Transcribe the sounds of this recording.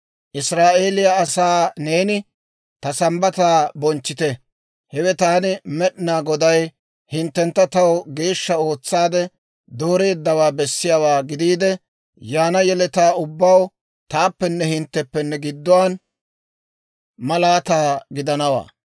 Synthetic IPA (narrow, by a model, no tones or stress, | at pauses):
ʔɪsɾaːʔe̞ːlɪjaːsaːne̞ːnɪ | t̪ɐsɐmbɐt̪aːbɔnt͡ʃːɪt̪ɛ | hɛwɛt̪aːnɪmɛɗɪnaːɡɔd̪ɐj | hɪnt̪ːɛnt̪ːɐt̪ɐwɡe̞ːʃːɐo̞ːt͡sːaːd̪ɛ | d̪o̞ːɾe̞ːd̪ːɐwaːbɛsːɪjawaːɡɪd̪iːd̪ɛ | jaːnɐjɛlɛt̪aːʊbːɐw | t̪aːpːɛnːɛhɪnt̪ːɛpːɛnːɛɡɪd̪ːɔwaːn | mɐlaːt̪aːɡɪd̪ɐnɐwa̰ː